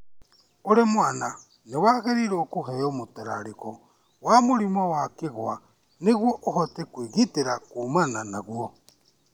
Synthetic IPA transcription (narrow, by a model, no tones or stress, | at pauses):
oɾemwana | newaɣeɾiɾeokuɦɛjomotɛɾa̰ɾikɔ | wamoɾimɔwakeɣwa | neɣwɔʔohɔtekwiɣiteɾakumananaɣwo